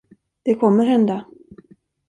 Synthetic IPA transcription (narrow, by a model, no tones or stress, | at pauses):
d̪̥ɛkʰɔmːəɾɦɛnd̪a